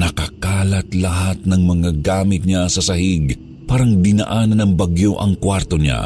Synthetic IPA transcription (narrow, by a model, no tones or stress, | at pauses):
nɐkɐkaːlɐt̪lɐɦat̪̚nɐŋmɐŋaɡaːmɪt̪̚ɲasɐsɐhiɡ | paːɾɐŋd̪ɪna̰ʔaːnɐnɐŋbɐɡjoʔɐŋkwaɾt̪oɲa̰